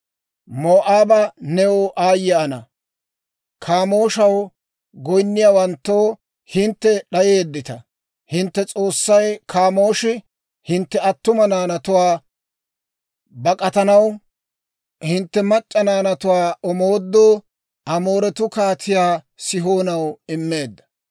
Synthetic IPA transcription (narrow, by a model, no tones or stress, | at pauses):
moːʔaːbɐnɛwoʔaːjːɐːnɐ̰ | kʰaːmo̞ːʃɐw | ɡɔjnːɪjaːwɐnt̪ːo̞ː | hɪnt̪ːɛɗɐjeːd̪ːɪt̪ɐ | hɪnt̪ːɛt͡sʼo̞ːsːɐjkʰaːmo̞ːʃɪ | hɪnt̪ːɛɐt̪ːʊmɐnaːnɐt̪ʊwaː | bɐkʼɐt̪ɐnɐw | hɪnt̪ːɛmɐt͡ʃʼːɐnaːnɐt̪ʊwaːʔɔmo̞ːd̪ːoː | ʔɐmo̞ːɾɛt̪ʊkaːt̪ʰɪjaː | sɪɦoːnɐwɪmːe̞ːd̪ːɐ̥